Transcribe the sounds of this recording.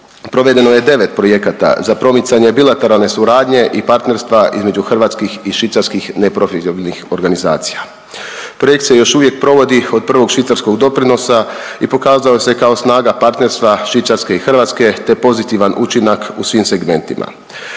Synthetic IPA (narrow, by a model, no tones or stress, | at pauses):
pɾo̞ʋe̞d̪e̞noje̞d̪e̞ʋe̞t̪pɾo̞je̞kat̪a̰zapɾo̞mit̪saɲe̞bilat̪e̞ɾalˠne̞suɾaːd̪ɲe̞ʔipaɾt̪ne̞ɾst̪ʋaʔḭzme̞d͡ʒuxrʋaːt̪skixiʃʋit̪saɾskixne̞pɾo̞fiobilnixo̞ɾɡaniza̰ːt̪si̥ja | pɾo̞je̞kt̪se̞jo̞ʃuʋjek̚pɾo̞ʋo̞d̪io̞d̪̚pr̩ʋo̞ɡʃʋit̪saɾsko̞ɡd̪o̞pɾino̞saipo̞kaːzaose̞kao̞snaːɡapaɾt̪ne̞ɾst̪ʋaʃʋit̪saɾske̞ixr̩ʋaːt̪ske̞t̪e̞po̞zit̪iʋanʔut͡ʃinakusʋiːmse̞ɡme̞nt̪imʔa̰